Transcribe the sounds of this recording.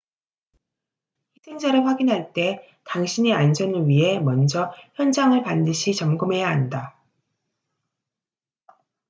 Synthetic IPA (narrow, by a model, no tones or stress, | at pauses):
hʰis͈ʰeŋd͡ʑaɾɯɭɸwaɡinɦaɭt͈e̞ | taŋɕʰineand͡ʑʌnɯɭɥiɦe̞mʌnd͡ʑʌçjʌnd͡ʑaŋɯɭpandɯɕʰit͡ɕʌmɡɯmɦe̞jaɦanda